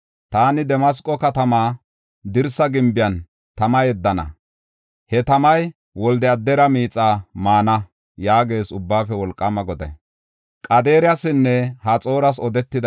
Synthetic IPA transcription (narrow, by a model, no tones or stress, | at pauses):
t̪aːnɪd̪ɛmɐs̬kʼɔkɐt̪ɐmaː | d̪ɪɾsɐɡɪmbɪjɐn | t̪ɐmɐjɛd̪ːɐnɐ̰ | hɛt̪ɐmɐj | wɔld̪ɛɐd̪ːɛɾɐmiːt͡sʼːaːmaːnɐ | jaːɡe̞ːsʊbːaːfɛwɔlkʼːɐmɐɡɔd̪ɐ̰ | kʼɐd̪e̞ːɾɪjɐsɪnːɛhɐt͡sʼo̞ːɾɐs̬ɔd̪ɛt̪ːɪd̪ɐ